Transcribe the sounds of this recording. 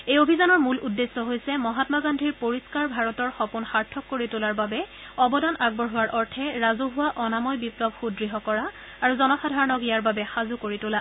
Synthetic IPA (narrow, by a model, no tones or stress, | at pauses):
ejobʱizanɔɹmuludːesːɔɦojsɛmɔɦatmaɡandʱiɹpoɹiskaɹbʱaɹɔtɔɹxɔpunxaɹtʰːɔkːoɹitʊlaɹbabɛ | ɔbɔdanʔaɡ̚bɔɹɦʊwaɹʔɔɹtʰɛɹazuɦʊwaʔɔnamɔjbiplɔb̚ʱxudɹiɦɔkɔɹaː | ɹuzɔnɔxadʱaɹɔnɔkijaɹbabɛxazukoɹitʊla